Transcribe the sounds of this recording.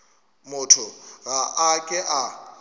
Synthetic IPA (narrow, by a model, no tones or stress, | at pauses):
mʊtʰʊɣaʔakʼɛʔa